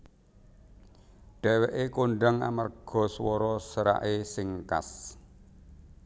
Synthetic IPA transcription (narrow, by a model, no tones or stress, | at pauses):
ɖ̥ɛ̤weʔekoɳɖaŋa̰marɡ̥ɔ̤swɔɾɔsəɾa̰ʔesɪŋka̰s